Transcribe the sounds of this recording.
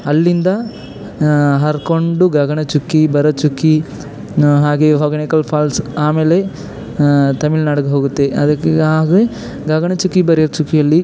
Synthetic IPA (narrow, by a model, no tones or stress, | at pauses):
ɐlːind̪ɐ | ɦɐɾkoɳɖuɡɐɡɐɳɐt͡ʃukːibɐɾɐt͡ʃukːi | ɦaːɡeɦɔɾɡɐnikɐlpʰaːlsaːmeːle̞ | t̪ɐmilnaːɽɐɡeɦo̞ːɡut̪ːe̞ɐd̪ɐkːaːɡe | ɡɐɡɐɳɐt͡ʃukːibɐɾijɐt͡ʃukːijɐlːi